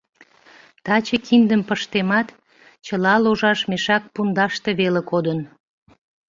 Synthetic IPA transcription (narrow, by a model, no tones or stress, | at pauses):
t̪ɑt͡ɕekʰind̪əmpəʃt̪emɑt̪ | t͡ɕəlɑloʒɑʃmeʃɑk̚pund̪ɑʃt̪eβelekod̪ən